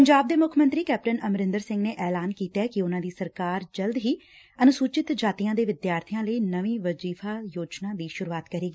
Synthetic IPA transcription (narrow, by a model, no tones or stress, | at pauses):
pəɲd͡ʒaːb̚d̪eːmʊkʰmənt̪ɾiːkɛːp̚ʈənəmɾɪ̃nd̪əɾsɪ̃ŋɡneːʔɛːlaːnkiːt̪eːkɪʊnãːd̪iːsəɾkaːɾd͡ʒəld̪ɦiː | ənʊsuːt͡ʃɪt̪d͡ʒaːt̪iːjãːd̪eːʋɪd̪jaːɾt̪ʰijãːləiːnəʋĩːʋəd͡ʒiːfʰaːjoːd͡ʒnãːd̪iːʃʊɾuaːt̪kəɾiːɡiː